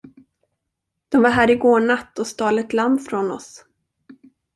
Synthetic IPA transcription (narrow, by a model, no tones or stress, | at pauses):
d̪̥ɔmvaɾɦæːɾɪɡoːɳat̪ːɔst̪ɑːlət̪lamfɾɔnɔ̰s